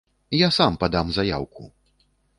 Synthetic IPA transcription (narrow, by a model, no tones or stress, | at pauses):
jasampad̪amzaja̰wku